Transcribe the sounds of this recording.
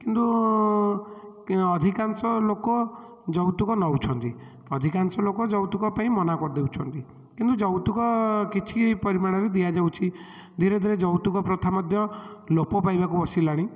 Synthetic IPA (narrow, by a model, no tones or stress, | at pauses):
kint̪u | ɔd̪ʱikansɔlokɔ | d͡ʒɔwt̪ukɔnɔwt͡ʃʰɔnt̪ḭ | ɔd̪ʱikansɔlokɔd͡ʒɔwt̪ukɔpaĩmɔnakɔɾd̪ewt͡ʃʰɔnt̪i | kint̪ud͡ʒɔwt̪ukɔkit͡ʃʰipɔɾimaɭ̃ɔɾed̪iad͡ʒawt͡ʃʰi | d̪ʱiɾed̪ʱiɾed͡ʒɔwt̪ukɔpɾɔt̪ʰamɔd̪ʱjɔlopɔpajbakubɔsilaɽ̃i